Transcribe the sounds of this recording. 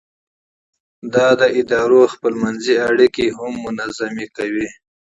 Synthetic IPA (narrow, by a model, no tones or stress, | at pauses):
d̪ɑd̪əʔɪd̪ɑɾoxpəlmanziaɽikiɦʊmːʊnazamikawi